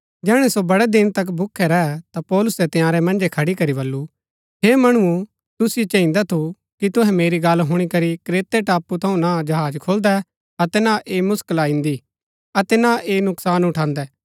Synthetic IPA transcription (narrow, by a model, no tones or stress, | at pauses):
d͡ʒɛːɽ̃ɛsobɐɽɛd̪ɪnt̪ɐk̬bʱʊkʰːɛɾɐɛt̪apɔːlʊsɛt̪ɪ̃jaːɾɛmɐ̃nd͡ʒekʰɐɽikɐɾiβɐlːu | ɦeːmɐɽ̃ʊũ | t̪ʊsɪet͡ʃɐ̃ĩnd̪at̪ʰu | kit̪ʊɦɛ̃meːɾiɡɐlɦʊɽ̃ikɐɾikɾeːt̪ɛʈaːpːut̪ʰɐũnad͡ʒɐɦaːd͡ʒkʰoːld̪ɛ | ɐt̪ɛnaʔeːmʊskəlaĩnd̪i | ɐt̪ɛnaʔeːnʊksaːnʊʈʰãːnd̪ɛː